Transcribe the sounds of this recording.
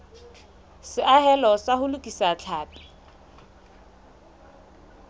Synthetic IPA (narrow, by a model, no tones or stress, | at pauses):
sɪʔahɛlɔsahʊlʊkʼisat͡ɬʰaːpʼɪ̥